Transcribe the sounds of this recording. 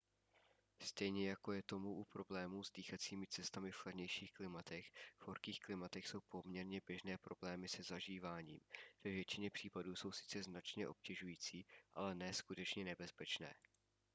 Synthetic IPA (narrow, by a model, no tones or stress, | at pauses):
st̪ɛjɲɛjako̞jɛt̪o̞muʔupɾo̞blɛːmuːzdiːxat͡siːmɪt͡sɛst̪amɪfxladɲɛjʃiːxklɪmat̪ɛxvhoɾkiːxklɪmat̪ɛxso̞wpo̞mɲɛɾɲɛbjɛʒnɛːpɾo̞blɛːmɪsɛzaʒiːvaːɲḭːmv̥ɛvjɛt͡ʃɪɲɛpr̥iːpaduːso̞wsɪ̥t͡sɛznat͡ʃɲɛʔo̞̰p̚cɛʒujiːt͡siːʔa̰lɛnɛːskut̪ɛt͡ʃɲɛnɛbɛspɛt͡ʃnɛ̰ː